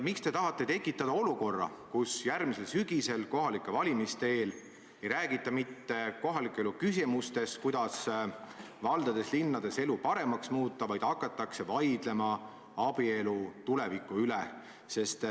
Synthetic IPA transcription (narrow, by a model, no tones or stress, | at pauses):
mikst̪e̞t̪ɑɦɑt̪ːˑe̞t̪e̞kːˑit̪ːˑɑd̪ɑo̞luko̞rːɑ̰kusjærmise̞lsyɡ̥ise̞lko̞ɦɑlikˑːe̞vɑlʲimist̪eeːl | e̞jɾæːɡ̥it̪ːˑɑmit̪ːe̞ko̞ɦɑlikːˑeelukysimust̪e̞skujd̪̥ɑs | vɑld̪̥ɑd̪e̞slinːɑd̪̥e̞se̞lupɑɾe̞mɑksmuːt̪ːˑɑvɑjd̪̥ɑkːˑɑt̪ːˑɑkse̞vɑjd̪̥le̞mɑ | ɑb̥ie̞lut̪ule̞vikːˑuyle | se̞st̪